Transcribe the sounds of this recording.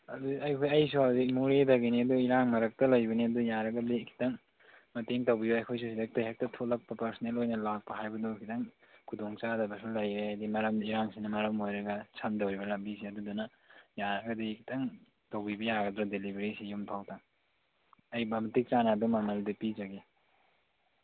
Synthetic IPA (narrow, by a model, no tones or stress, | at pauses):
ɐduɐjkʰojɐjsuawzimuɾedɐɡiniɐduiɾaŋmɐɾɐk̚tɐlɐjbɐniɐdujaɾɐɡɐdikʰi̥tɐŋ | mɐteŋtɐwbibɐɐjkʰojs̬usidɐk̚tɐjɦak̚tɐtʰolɐk̚pɐpɐɾsnelojnɐlak̚pɐɦajbɐdukʰitɐŋ | kʰudoŋt͡ʃadɐbɐsulɐjɾeajdimɐɾɐmiɾaŋsinɐmɐɾɐmojɾɐɡɐsʰɐndɐwɾibɐlɐmbisiɐdudunɐ | jaɾɐɡɐdikʰi̥tʰɐŋ | tɐwbibɐjaɡɐdɾadelibeɾisijumpʰawta | ɐjbɐmtik̚t͡ʃanɐːdumɐmɐldipid͡ʒɐɡe